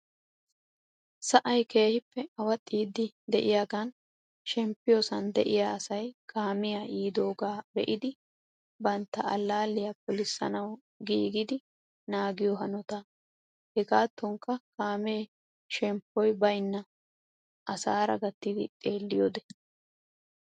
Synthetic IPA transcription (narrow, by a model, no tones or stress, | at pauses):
sɐʔɐjke̞ːhɪpːɛɐwɐt̪ʼːiːd̪ɪ | d̪ɛʔɪjaːɡɐn | ʃɛmpːɪjosɐnd̪ɛ̰ʔɪjaːɐsɐjkʰaːmɪjaʔiːd̪o̞ːɡaːbɛ̰ʔɪd̪ɪ | bɐnt̪ːɐʔɐlːaːlːɪjɐpʊlɪsːɐ̰nɐw | ɡiːɡɪd̪ɪ | naːɡɪjɔɦɐnɔt̪ɐ | hɛɡaːt̪ːɔŋkːɐkʰaːmeː | ʃɛmpːɔjbɐjnːɐ | ʔɐsaːɾɐ̰ɡɐt̪ːɪd̪ɪ̰t̪ʼe̞ːlːɪjoːd̪ɛ